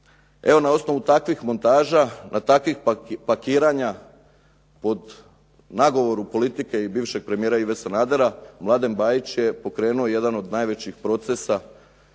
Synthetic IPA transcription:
e̞ʋo̞nao̞sno̞ʋut̪akʋixmo̞nt̪aːʒanʔat̪akʋixpakiːɾaɲa | po̞d̪ | naɡo̞ʋo̞ɾupo̞lit̪ike̞ibiːʋʃe̞ɡ̚pɾe̞mijeɾaiʋe̞sanaːd̪e̞ɾamlˠad̪e̞mbaːjit͡ɕje̞po̞kɾe̞ːnuoje̞d̪ano̞d̪najʋe̞t͡ɕixpɾo̞t̪sesa

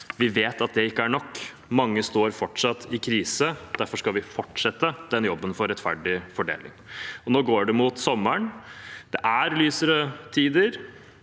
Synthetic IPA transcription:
ʋɪʋeːt̪ɑt̪̚d̪ɛɪkːəæɳɔkː | mɑŋːəst̪oːɾfɔʈʂɑt̪ːɪkʰɾiːsəd̪̥æɾfɔʂkɑʋɪfɔʈʂɛt̪ːəd̪̥ɛnjɔbːənfɔɾːɛt̪fæ̰ɖɪfɔɖḛːlɪ̰ŋɔnoːɡoːɖɛmʊt̪sɔmːəɳd̪̥ɛʔæɾlyːsəɾət̪ʰiːd̪əɾ

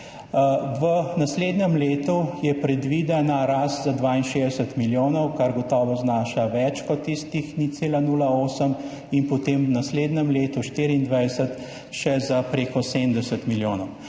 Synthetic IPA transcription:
ʋənasleːd̪nɛmleːt̪ujɛpɾɛd̪ʋid̪ɛnaɾaːst̪zad̪ʋaːinʃezd̪ɛsət̪miljoːnɔwkaɾɡɔt̪ɔːʋɔznaːʃaʋɛt͡ʃkɔt̪ːist̪ixnit̪seːlanuːlaoːsəm | inpɔt̪eːmwnasleːd̪nɛmleːt̪uʃt̪iɾiːnd̪ʋɛjsət̪ | ʃɛzapɾeːkɔseːmd̪ɛsət̪miljoːnɔw

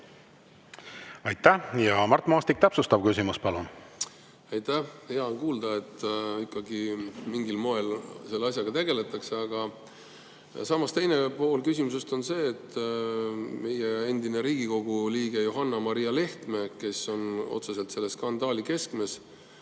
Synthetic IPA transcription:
ɑjt̪ːæhjɑmɑrt̪ːˑmɑːst̪ik̚t̪æpsust̪ɑb̥̚kysimuspɑlun | ɑjt̪æhheɑkuːld̪̥ɑe̞t̪ːˑikːɑɡimiŋɡilmo̞e̞lse̞lːɑsʲjɑɡ̥ɑt̪e̞ɡ̥e̞le̞t̪ˑɑkse̞ɑɡ̥ɑ | sɑmɑst̪e̞jne̞po̞ːlkysʲimusest̪o̞nse̞ːt̪ːˑ | me̞je̞e̞nd̪ine̞ɾiːɡiko̞ɡ̥uliːɡ̥e̞joɦɑnːɑmɑɾijɑle̞ht̪me̞ke̞so̞no̞̰t̪se̞se̞lt̪se̞lːe̞skɑnd̪̥ɑːlike̞skme̞s

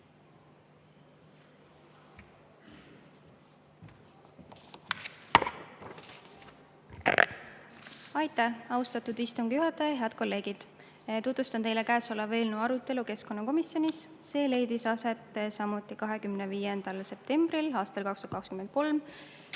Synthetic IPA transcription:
ɑjt̪ːˑæhɑust̪ɑt̪ud̪ist̪uŋɡ̥juɦɑt̪ːˑɑjɑɦeɑd̪̥̚ko̞lːe̞ːɡ̥id̪̥ | t̪ut̪vust̪ɑnt̪e̞jle̞kæːso̞lːɑve̞ːlnuɑɾut̪ːˑe̞luke̞sko̞nːɑko̞misjo̞nisː | e̞ːle̞jd̪isɑse̞t̪ːˑsɑmut̪ːˑikɑɦe̞kymneviːjend̪̥ɑlse̞p̚t̪e̞mbrilɑːst̪ɑlkɑkst̪u̥dɑ̥kɑkskymend̪̥̚ko̞lm

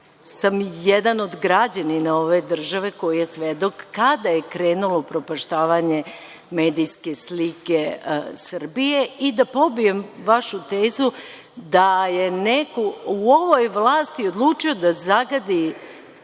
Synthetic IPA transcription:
samjed̪ano̞d̪ɡɾad͡ʑaninao̞ʋe̞d̪r̩ʒaʋe̞ko̞jijesʋed̪o̞kːad̪ajekɾeːnulopɾopaʃt̪aːʋaɲe̞ | me̞ːd̪ijske̞slikesr̩bijeid̪apo̞bije̞mʋaʃut̪eːzu | d̪ajenekouo̞ʋo̞jʋlˠaːst̪iod̪lˠuːt͡ʃio̞d̪azaɡad̪i

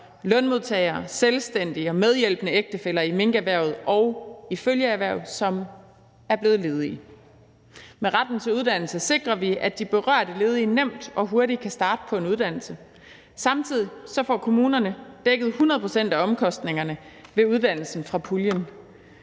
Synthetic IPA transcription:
lœnmo̝ðˠt͡sʰɛ̰ːɪɐːselsd̥en̰d̥iɒ̽með̞ˠjel̰b̥ənəeɡ̥̚d̥əfelɐime̝ŋɡ̥əæʋæɐ̰ð̞̩ˠɒʊiføljəæʋæɐ̰ðˠsɒ̽m | æɐb̥le̝ːðˠle̝ːð̞ˠi | meʁɑ̈d̥n̩t͡sʰe̝luð̞ˠd̥æn̰l̩səse̝ɡ̥ʁɐʋiæd̥ib̥e̝ʁɶɐ̰ɾ̥əle̝ːð̞ˠiːnem̰d̥ɒ̽ɦo̝ɐɾi̥kʰæsd̥ɑ̈ːd̥ə̥pʰɒ̽e̝nuð̞ˠd̥æn̰l̩sə | sɑ̈mt͡sʰið̰ˠisɒ̽fɒ̰ːkʰo̝muːnɐnəd̥eɡ̥əð̩ˠhunɐð̩ˠpʰʁo̝sen̰d̥æɒ̽mkʰɒ̽sd̥ne̝ŋɐnəʋe̝uð̞ˠd̥æn̰l̩sn̩fʁɑ̈pʰuljən

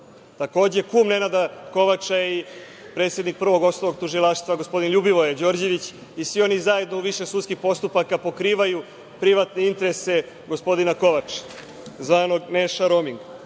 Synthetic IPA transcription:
t̪ako̞ːd͡ʑekuːmne̞nad̪ako̞ʋat͡ʃai | pɾe̞t̪sje̞d̪nik̚pr̩ʋo̞ɡo̞st̪oʋoɡt̪uʒilˠaʂt̪ʋaɡospo̞d̪inʎubiʋo̞jed͡ʑo̞ːɾd͡ʑe̞ʋit͡ɕ | isʋio̞nizaje̞d̪nouʋiʃesut̪skixpo̞st̪upakapo̞kɾiːʋaju | pɾiʋat̪ne̞int̪eɾese̞ | ɡo̞spo̞d̪inako̞ʋat͡ʂ | zʋaːno̞ɡneʃaɾomiŋɡ

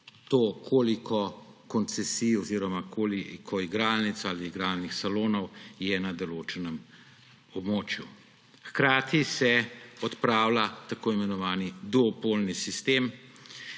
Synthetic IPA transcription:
t̪oːkʰoːlikʰɔkɔnt̪sɛsiːjɔziːɾɔmakʰolikʰɔiɡɾaːlnit̪saːliːɡɾaːlnixsaloːnɔwjɛnad̪ɔloːt͡ʃɛnɛm | ɔbmoːt͡ʃju | xkɾaːt̪isɛɔt̪pɾaːwlat̪akoːimɛnɔʋaːnid̪uɔpoːlnisist̪em

